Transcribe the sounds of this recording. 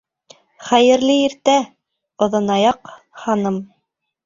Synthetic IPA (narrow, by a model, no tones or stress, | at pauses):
χæjɘ̆ɾlɘiɾt̪æ | ŏðɤ̆nɑjɑq | hɑnɤm